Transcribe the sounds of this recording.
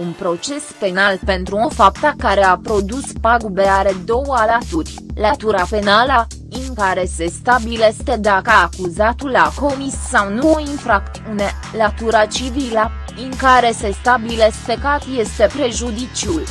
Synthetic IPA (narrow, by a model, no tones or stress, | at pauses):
unpɾo̞t͡ʃe̞spe̞nalpe̞nt̪ɾuofapt̪akaɾe̞apɾo̞d̪uspaɡubeaɾe̞d̪o̞wəalat̪urʲ | lat̪uɾape̞nalə | ɨŋkaɾe̞se̞st̪abilest̪ed̪akəakuzat̪ulːako̞missawnuoinfɾak̚t̪siune̞ | lat̪uɾat͡ʃivilə | ɨŋkaɾe̞se̞st̪abilest̪ekat̪je̞st̪e̞pɾe̞ʒud̪it͡ʃiul